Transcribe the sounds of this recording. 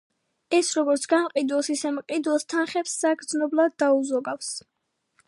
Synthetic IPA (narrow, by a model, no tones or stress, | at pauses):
ɛsɾɔɡɔɾt̪sʰɡ̥amqʼid̪wɛsisɛmqʼid̪wɛst̪ʰanχɛpsːaɡd̪znɔblˠad̪ːauzɔɡafs